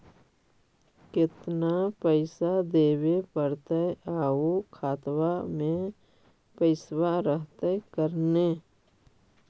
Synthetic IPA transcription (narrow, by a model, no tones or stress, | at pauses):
kɪt̪napəɪsad̪eːwepəɾt̪eaːukʰaːt̪wamẽ | pəɪswaɾəɦt̪ekəɾneː